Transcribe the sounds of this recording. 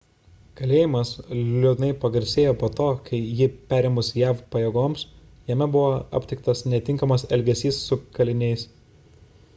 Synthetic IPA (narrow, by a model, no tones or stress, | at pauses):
kɐlʲeːjɪmɐslʲud̪ʲnɐɪpɐɡɐɾʲsʲeːjoːpoːt̪oːkʰɐɪjɪpʲæːɾʲɛmʊsʲjæːfpɐjɛɡoːms | jɛmʲɛbʊʋoːɐ̰pʲt̪ʲɪk̚t̪ɐsnʲɛt̪ʲɪŋkɐmɐsɛlʲɡʲɛsʲiːsːʊkɐlʲɪnʲɛɪs